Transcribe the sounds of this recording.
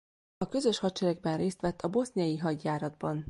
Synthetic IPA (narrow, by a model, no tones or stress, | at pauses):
ɒkø̞zø̞ʃhɒt̚t͡ʃɛɾɛɡ̚bɛnreːst̪ʋɛt̪ːɒbo̞snijɒjiɦɒɟjaːɾɒd̪bɒn